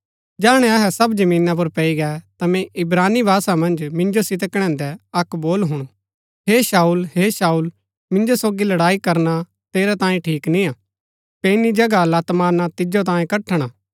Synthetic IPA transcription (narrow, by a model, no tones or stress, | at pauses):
d͡ʒaːɽ̃ɛ̃ɐɦɛsɐbd͡ʒɐmĩːnap̬ʊɾpɐiɡɛt̪ɐmɛ̃ʔɪbɾaːnːibʱaːsamɐ̃nd͡ʒmɪ̃nd͡ʒosɪt̪əkɽ̃ɛ̃ːnd̪ɛɐkboːlɦʊɽ̃o | ɦeːʃaːulɦeːsaːuːl | mɪ̃nd͡ʒosoːɡilɐɽaːikɐɾna | t̪eːɾɛt̪ãːẽʈʰiːknĩaː | penid͡ʒɐɡalat̪maːnat̪ɪd͡ʒot̪ãːẽkɐʈʰːəɽ̃aː